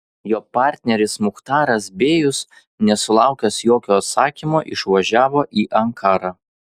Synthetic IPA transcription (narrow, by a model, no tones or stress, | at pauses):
joːpɑːˑɾʲt̪ʲnʲɛɾʲɪsmʊxt̪ɑːɾɐsbʲeːjʊs | nʲɛsʊlˠɑˑʊkʲɛsjoːkʲoːɐt̪sɑːkʲimoːʔɪʃʋɐʒʲæːʋoːʔiːʔɐŋkʰɑːɾɑː